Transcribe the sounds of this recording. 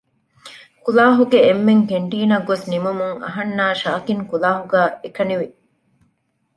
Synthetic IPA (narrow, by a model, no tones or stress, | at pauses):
kulaːɦuɡeːmːeŋkeɳʈiːnɐɡːosnimumuŋɐ̰ɦɐnːaːʃaːkiŋkulaːɦuɡæːʔekɐniʋi